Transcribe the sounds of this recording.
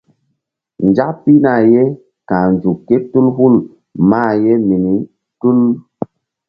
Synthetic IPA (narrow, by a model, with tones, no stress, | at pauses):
n˨d͡ʒa˦kpi˦na˨je˦ | ka˨nd͡ʒu˨kːe˦tu˦lhu˦l | maː˦˨je˦mi˨ni˨˦ | tu˦l